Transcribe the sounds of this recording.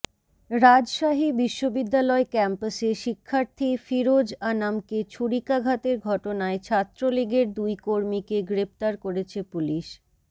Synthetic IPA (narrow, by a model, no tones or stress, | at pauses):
ɾad͡ʑʃaɦibiʃːobid̪ːalɔekɛmpaseʃikʰːaɾt̪ʰifiɾod͡ʑanamket͡ɕʰuɽikaɡʱat̪eɾɡʱɔʈonaet͡ɕʰat̪ːɾoliɡeɾd̪ujkoɾmikeɡɾep̚t̪aɾkoɾet͡ɕʰepuliʃ